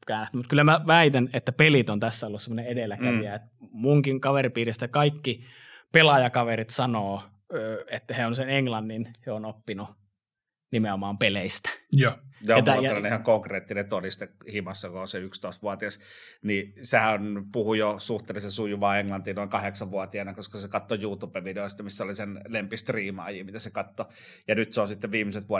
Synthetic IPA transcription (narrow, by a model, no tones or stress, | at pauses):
kæːnæt̪ymut̪kylːˑæmæʋæit̪ænet̪ːæpelit̪ont̪æsːæolːussemːoneedelːˑækæʋiæet̪muŋkiŋkɑʋeripiːrist̪ækɑikːi | pelɑjɑkɑʋerit̪sɑnoː | øːet̪ːæheonseneŋlɑnːinheonopːinu | nimeomɑːmpeleist̪æ̥jɑɑmt̪ːjɑelːɑnihɑŋkoŋkreːt̪ːinet̪olist̪ehimɑsːɑkoonseykst̪oˑist̪ʋuɑt̪iɑsnisehænpuhujosuht̪eːlːesesujuʋɑːeŋlɑnt̪iːnoˑiŋkɑheksɑʋʋuɑt̪iɑnɑkoskɑsekɑt̪ːojuːt̪uːpeʋʋideoˑist̪ɑmisːæolisenlempist̪riːmɑ̰jimit̪æsekɑt̪ːo | jɑnyt̪seonsit̪ːeʋʋiːmːiset̪ʋuɑ